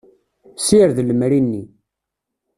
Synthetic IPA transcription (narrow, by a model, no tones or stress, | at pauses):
siɾðləmɾinːi